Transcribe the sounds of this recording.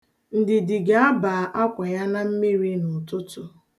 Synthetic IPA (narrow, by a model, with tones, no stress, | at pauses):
n̩˨dɪ˨dɪ˨ɡa˨a˦ba˨ʔa˦kʷa˨ja˦na˦m̩˦mi˦ɾi˦nʊ˨tʊ˦tʊ˦